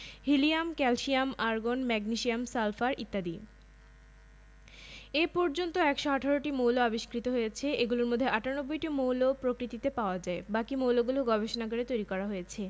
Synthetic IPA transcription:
ɦiliamkɛlʃiamaɾɡonmɛɡniʃiamsalfaɾit̪ːad̪i | epɔɾd͡ʑont̪oɛkʃoaʈʰaɾoʈimowloabiʃkɾit̪oɦojet͡ɕʰeʔeɡuloɾmod̪ʱːeʔaʈʰaonobːojʈimowlopɾokɾit̪it̪epaoad͡ʑaebakimowloɡuloɡɔbeʃonaɡoɽet̪ojɾikɔɾaɦojet͡ɕʰe

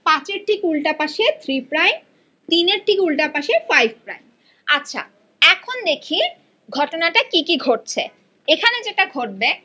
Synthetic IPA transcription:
pãt͡ɕeɾʈʰikulʈapaʃet̪ʰɾipɾajn | t̪ineɾʈikulʈapaʃefajbʱpɾa̰jn | atːɕʰa̰ | ɛkʰond̪ekʰi | ɡʱɔʈonaʈakikiɡʱoʈ̚t͡ɕʰe | ekʰaned͡ʑeʈaɡʱoɾbe

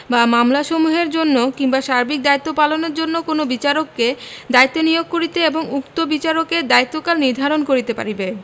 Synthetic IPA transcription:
bamamlaʃomuɦeɾd͡ʑonːokiŋbaʃaɾbik̚d̪ait̪ːopaloneɾd͡ʑonːokonobit͡ɕaɾokːed̪ait̪ːonijoɡ̚koɾit̪eeboŋukt̪obit͡ɕaɾoked̪ait̪ːokalniɾd̪ʱaɾonkoɾit̪epa̰ɾibe

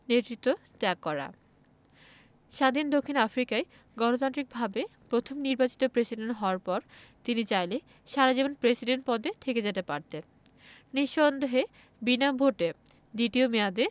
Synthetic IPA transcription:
net̪ɾit̪ːot̪ɛakːɔɾa̰ | ʃad̪ʱind̪okʰːinafɾikae | ɡɔnot̪ant̪ɾik̚bʱabepɾot̪ʰomniɾbat͡ɕi̥t̪opɾesiɖenʈɦɔoaɾpɔɾt̪init͡ɕajle | ʃaɾad͡ʑibonpɾesiɖeɳʈ̚pɔd̪ʱet̪ʰeked͡ʑet̪epaɾt̪en | niʃːond̪eɦe | binabʱoʈe | d̪iʈiomead̪e

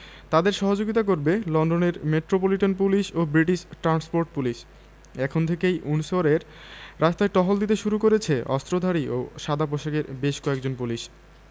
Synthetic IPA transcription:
t̪ad̪eɾʃɔɦod͡ʑoɡit̪̬ak̬oɾbelɔnɖoneɾmeʈɾopoliʈonpuliʃobɾiʈiʃʈɾanspoɾʈ̚puliʃ | ɛkʰont̪ʰekejʔunuʃoɾeɾ | ɾast̪aeʈɔɦold̪it̪eʃuɾukoɾet͡ɕʰeʔɔst̪ɾod̪ʱaɾiʔo̰ʃad̪ʱapɾoʃaɡeɾbeʃkɔekd͡ʑonpuliʃ

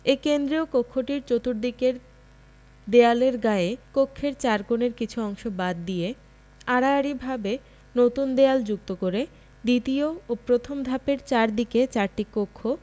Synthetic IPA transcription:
ekend̪ɾiokokʰːoʈiɾt͡ɕot̪uɾd̪ikeɾ | d̪ealeɾɡaekokʰːeɾt͡ɕaɾkoneɾkit͡ɕʰuɔŋʃobad̪ːije | aɽaːɽibʱabe | not̪und̪eald͡ʑuk̚t̪okoɾe | d̪it̪ioopɾot̪ʰomd̪ʱapeɾt͡ɕaɾd̪iket͡ɕaɾʈikokʰːo

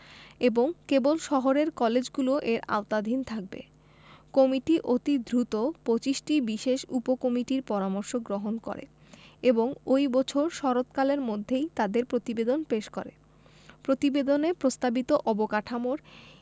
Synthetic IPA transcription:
eboŋkebolʃɔɦoɾeɾkɔled͡ʑɡuloʔeɾa̰ot̪ad̪ʱint̪ʰak̚bḛ | kɔmiʈiʔot̪id̪ʱɾut̪opot͡ɕisʈibiʃeʃupokomiʈiɾpɔɾamɔɾʃoɡɾoɦonkɔ̰ɾḛ | eboŋojbɔt͡ɕʰoɾʃɔɾot̪kaleɾmod̪ʱːejt̪ad̪eɾpɾot̪ibed̪onpeʃko̰ɾḛ | pɾot̪ibed̪onepɾost̪abit̪oʔɔbokaʈʰamoɾ

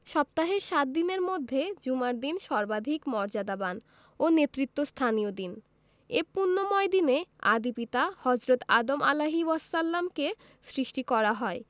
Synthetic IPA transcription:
ʃɔp̚t̪aɦeɾʃat̪̚d̪ineɾmod̪ʱːed͡ʑumaɾd̪inʃɔɾbad̪ʱikmɔɾd͡ʑad̪aban | onet̪ːɾit̪ːost̪ʰanijod̪in | epunːomɔed̪inea̰d̪ipit̪ahɔd͡ʑɾot̪a̰d̪omalaɦiwɔsːalːamke | sɾiʃʈikɔɾaɦɔe

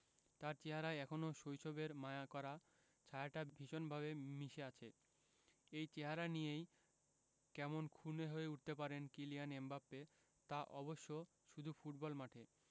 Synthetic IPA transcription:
t̪aɾt͡ɕeɦaɾaeɛkʰonoʃojʃobeɾmaeakɔɾa | t͡ɕʰaeaʈabʱiʃonbʱaβemiʃeat͡ɕʰe | ejt͡ɕeɦaɾanijej | kɛmonkʰuneɦoeuʈ̚t̪epaɾenkilijanembapːe | t̪aʔɔboʃːo | ʃud̪ʱufuʈ̚bɔlmaʈʰe

